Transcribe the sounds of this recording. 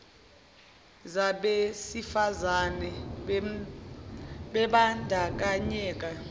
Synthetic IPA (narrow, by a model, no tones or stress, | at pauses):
zaɓesifazanɛ | ɓɛɓandʱak̬ʼaɲɛːk̬ʼa